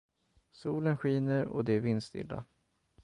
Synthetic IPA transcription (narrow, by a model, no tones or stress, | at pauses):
suːlənɧiːnəɾɔ̰d̪ɛvɪnst̪ɪ̰lːa̰